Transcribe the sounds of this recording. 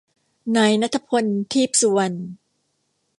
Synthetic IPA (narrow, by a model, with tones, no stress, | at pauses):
naː˧jna˦˥t̪ʰːa˧pʰo˧nt̪ʰiː˥˩p̚su˧a˧n